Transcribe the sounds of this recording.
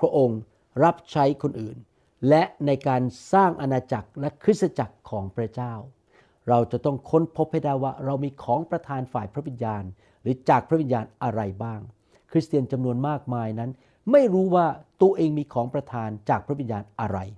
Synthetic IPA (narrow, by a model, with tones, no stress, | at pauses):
pʰɾa˦˥ʔo˧ŋ | ɾa˦˥p̚t͡ɕʰa˦˥jkʰo˧nʔɯ̰ː˨˩n | lɛ˦˥ʔna˧jkaː˧nsaː˥˩ŋʔa˧naː˧t͡ɕa˨˩k̚lɛ˦˥kʰɾɯ˦˥t̪̚sa˧t͡ɕa˨˩kʰːɔː˩˦ŋpʰɾa˦˥t͡ɕaː˥˩w | ɾa˧wt͡ɕa˨˩t̪ɔ˥˩ŋkʰo˦˥npʰo˦˥p̚ha˥˩jda˥˩jwaː˥˩ɾa˧wmiː˧kʰɔː˩˦ŋpɾa˧t̪ʰaː˧nfaː˨˩jpʰɾa˦˥wi˧njaː˧n | ɾɯː˩˦t͡ɕaː˨˩k̚pʰɾwi˧njaː˧nʔa˧ɾa˧jbaː˥˩ŋ | kʰɾi˦˥st̪i˧ənt͡ɕa˧mnu˧ənmaː˥˩k̚maː˧jna˦˥n | ma˥˩jɾuː˦˥waː˥˩t̪u˧əʔeː˧ŋmiː˧kʰɔː˩˦ŋpɾa˧t̪ʰaː˧nt͡ɕaː˨˩k̚ʰɾwi˧njaː˧nʔa˧ɾa˧j